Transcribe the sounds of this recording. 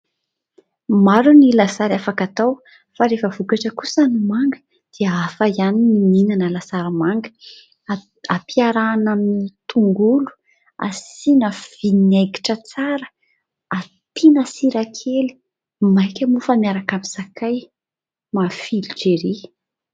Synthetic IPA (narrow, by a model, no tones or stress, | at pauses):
maɾunilasaɾafakat̪aw | faɾefəv̥ukaʈ͡ʂəkusanumaŋɡə | d̪̥iəafajanimininanəlasaɾamaŋɡə̥ | apiaɾanamit̪uŋɡulu̥ | a̰sinəv̥ineɡi̥ʈ͡ʂət͡saɾə̥ | at̪inasiɾakʰeli̥ | majkʲəmufamiaɾakamisakʰaj | mafilid͡ʒeɾi